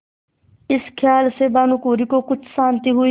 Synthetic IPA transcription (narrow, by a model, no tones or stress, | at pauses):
ɪskʰjaːlsebaːnũkoːɾikokʊt͡ʃʰsãːnt̪iɦʊi